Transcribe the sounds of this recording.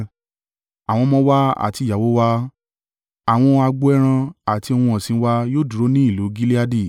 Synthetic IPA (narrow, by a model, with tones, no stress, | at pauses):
a˨w̃ɔ̃˧mɔ̃˧˦wa˦a̰˨ti˧˨ja˨wo˨˦wa˦ | a˨w̃ɔ̃˧a˧ɡ͡bo˦ɛ˦ɾ̃ã˧a˨ti˧o˧wũ˧ɔ̃˨sĩ˧˦wa˧joː˦du˨ɾo˦nĩ˦i˦˨lu˨˦ɡi˦li˦a˦di˦˨